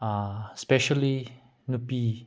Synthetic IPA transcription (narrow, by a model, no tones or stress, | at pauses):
aspɛʃəli | nupi